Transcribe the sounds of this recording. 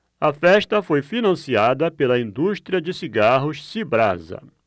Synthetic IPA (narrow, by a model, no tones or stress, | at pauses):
ɐfɛʃt̪ɐfojfinɐ̃siad̪ɐpelɐĩnd̪uʃt̪ɾiɐd͡ʒɪsiɡaɦʊʃsibɾa̰zɐ̰